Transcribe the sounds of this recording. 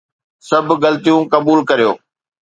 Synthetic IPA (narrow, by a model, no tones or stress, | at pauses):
sɐbʱɡɐlt̪ijũkɐbuːlkɐɾijoː